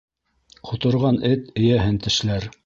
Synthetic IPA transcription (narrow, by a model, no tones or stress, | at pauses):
qʰŏt̪ɤ̆ɾʁɑnɘt̪ɘ̆jæɦɘnt̪ɘ̆ʃlæɾ